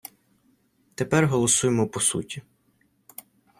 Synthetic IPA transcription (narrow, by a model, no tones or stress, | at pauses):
t̪epɛrɦɔlˠɔsujemɔpɔsṵtʲi